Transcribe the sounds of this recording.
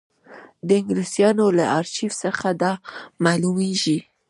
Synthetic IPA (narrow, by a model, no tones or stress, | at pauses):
d̪əɪŋɡlisijɑnolaʔɑɾʃifsəxad̪ɑmɑlumeʒi